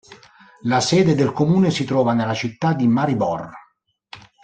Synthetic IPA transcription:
lasɛːd̪ed̪elkomuːnesit̪ɾɔːvanelːat͡ʃit̪ːad̪ːimaɾibɔr

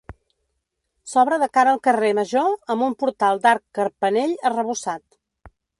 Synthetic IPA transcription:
sɔβɾəðəkaɾəːlˠkəreməʒoəmbumpuɾt̪alˠd̪aɾkːəɾpəneʎərəβ̞usat̪

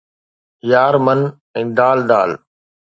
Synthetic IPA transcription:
jaːɾmən | ɛ̃ːd̪aːld̪aːl

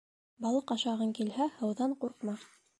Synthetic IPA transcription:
bɑlˠɤqɑʃɑʁɤŋkilhæhɤ̆wðɑɴquɾqmɑ

